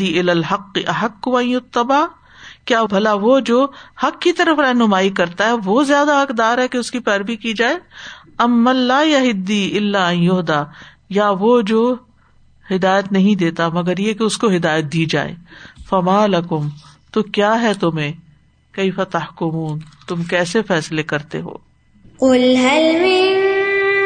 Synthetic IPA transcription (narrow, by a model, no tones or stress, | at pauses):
iɪlaːlɦɐqːɪʔɐɦɐqːʊɐ̃jjʊt̪ːɐbaː | kjaːbʱɐlaʋod͡ʒoːhɐkːit̪ɐɾəfɾɐɦnʊmaːikɐɾt̪aɦɛʋozjaːd̪aɦɐkd̪aːɾɦɛkeʊskipɛːɾbikid͡ʒaːeː | ɐmːɐ̃ːaːjɐɦɪd̪ːiɪlːaɐ̃jjʊɦd̪aː | jaʋoːd͡ʒoː | hɪd̪aːjət̪nɐɦĩd̪eːt̪amɐɡəɾjekeʊskoɦɪd̪aːjət̪̚d̪iːd͡ʒa̰ːḛːfɐmaːlɐkʊmt̪okjaːɦɛt̪ʊmẽː | kɐɪfɐt̪ɐhkʊmuːnt̪ʊmkɛːsefɛːslekɐɾt̪ḛɦo̰ː | qʊlɦɐlmɪ